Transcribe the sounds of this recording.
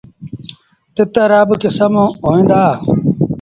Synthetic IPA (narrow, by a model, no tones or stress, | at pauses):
t̪ɪt̪əɾɐbkɪsəmõːoːĩːnd̪aː